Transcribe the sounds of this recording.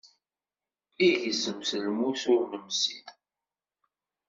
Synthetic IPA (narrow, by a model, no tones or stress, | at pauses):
iʝəzəmsəlmuθʊɾməmsiθ